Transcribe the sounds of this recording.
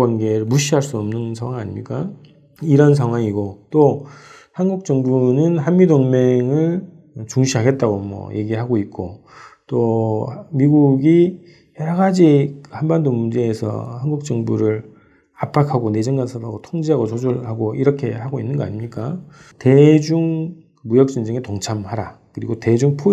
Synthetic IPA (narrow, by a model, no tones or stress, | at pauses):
wanɡe̞ɾɯɭmuɕʰiɦaɭs͈uʌmnɯnsʰaŋwaŋa̰ɲimɲik͈a | iɾʌns̬ʰaŋɦwaŋiɡot͈ohanɡuk̚t͡ɕ͈ʌŋbunɯnɦanmidoŋme̞ŋɯɭ | t͡ɕuŋɕʰiɦaɡe̞t̚t͈aɡomwʌ̰je̞ɡiɦaɡoit̚k͈o | t͈o | miɡuɡi | jʌɾɡad͡ʑikɯhanbandomund͡ʑe̞ːsʰʌ̰hanɡuk̚t͡ɕ͈ʌŋbuɾɯɾ | ap͈ʰakʰaɡone̞d͡ʑʌŋɡansʰʌphaɡotʰoŋd͡ʑiɦaɡot͡ɕod͡ʑuɭhaɡoiɾʌkʰe̞haɡoinːɯnɡʌa̰ɲimɲik͈a | te̞d͡ʑuŋ | kɯmujʌk̚t͡ɕ͈und͡ʑeŋetoŋt͡ɕʰamhaɾakɯɾiɡote̞d͡ʑuŋpʰu